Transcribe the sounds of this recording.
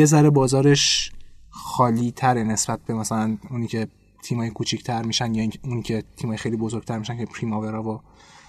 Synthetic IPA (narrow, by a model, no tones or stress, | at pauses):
jezæɾe̞bɒːzɒːɾeʃ | xɒːliːt̪ʰæɾene̞sbæt̪̚be̞mæsælænuniːcʰe̞ | t̪ʰiːmhɒːjekʰut͡ʃʰicʰt̪ʰæɾmiːʃænd̪jɒiuniːcʲʰe̞t̪ʰimhɒjexejlibozoɾɡ̥̚t̪æɾmiʃæncʰepʰɾimoveɾɒːvo